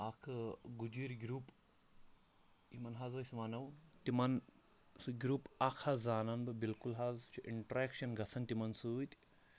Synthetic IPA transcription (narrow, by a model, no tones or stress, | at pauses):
akʰɨɡud͡ʒiːɾɡɾuːp | imɐnɦaːzɐsmanɐwt̪imɐn | sɡʲɾuːpakʰazːaːnɐnbɨbilkulɦaːzt͡ʃʰiʔiɳʈɾeːkʃɐnɡɐsʰɐnt̪imɐnsut̪ʲ